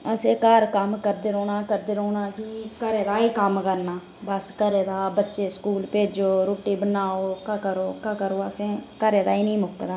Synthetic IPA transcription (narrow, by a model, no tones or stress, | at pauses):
əsẽːkaːɾkəmkəɾd̪eːɾoːnaːkəɾd̪eːɾoːnaːkiːkəɾeːd̪aːiːkəmkəɾnaː | bəskəɾeːd̪aːbətːʃeːskuːlpeːd͡ʒoːɾoːʈiːbənaːoːkəkəɾoːkakəɾoːəsẽːkəɾeːd̪aːiːnĩːmʊkːd̪aː